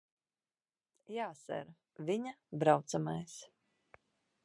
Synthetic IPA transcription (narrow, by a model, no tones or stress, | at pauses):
jaːsɛ̰ɾ | viɲabɾawt̪samajs